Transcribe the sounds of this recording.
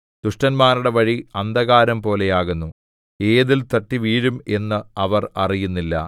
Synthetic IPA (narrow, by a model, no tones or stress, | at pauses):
d̪̥uʂʈɐnmaːɾuɽe̞ʋɐɻiɐnd̪ɐɣaːɾɐmpo̞ːle̞jaːɣunːu | e̞ːðilt̪ɐʈːiʋiːɻume̞nːɨɐʋɐrɐrijunːilːɐ̰